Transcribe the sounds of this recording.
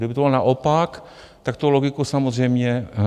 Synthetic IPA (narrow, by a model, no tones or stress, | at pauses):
dɪbɪt̪obɪlnaʔopak | t̪ak̚t̪oloɡɪkusamozr̝ɛjmɲɛ